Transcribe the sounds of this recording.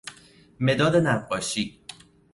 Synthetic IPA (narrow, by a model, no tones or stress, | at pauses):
me̞d̪ɒːd̪enæfqɒːʃiː